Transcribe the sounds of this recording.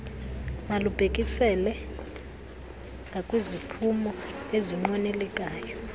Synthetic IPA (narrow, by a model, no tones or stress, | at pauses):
malub̥ʱekʼisɛlɛ | ŋɡʱakʼwizipʰumɔeziŋ͡ǃwɔnɛlɛkʼaːjɔ